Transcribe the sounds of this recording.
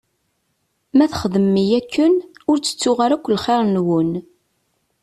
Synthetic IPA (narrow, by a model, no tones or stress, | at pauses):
mæθχəðəmːijækːənʊɾt͡sːə̥t͡sːʊʁaɾækʷːlχeɾˤnwən